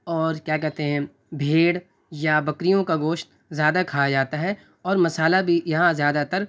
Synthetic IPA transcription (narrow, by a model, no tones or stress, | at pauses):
ɔːɾkjaːkɛɦt̪eɦɛ̃ | bʱeːɽ | jabɐkɾijõkaɡoːʃt̪ | zjaːd̪akʰaːd͡ʒaːt̪aɦɛ | ɔːɾmɐsaːlabʱijɐɦãzjaːd̪at̪ɐɾ